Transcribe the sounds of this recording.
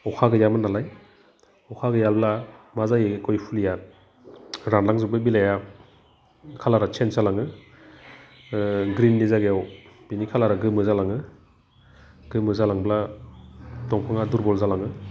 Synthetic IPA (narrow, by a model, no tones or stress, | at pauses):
ɔkʰaɡɯjamɯnalaj | ɔkʰaɡɯjalblamazajekɔjpʰulijat | ɾanlaŋzɯbɯbilaja | kʰalaɾat͡ʃʰensalaŋɯ | ɡɾinːizaɡejawbinikʰalaɾaɡɯmɯzalaŋɯ | ɡ̥ɯmɯzalaŋbla | tɔŋpʰaŋaduɾbɔlzalaŋɯ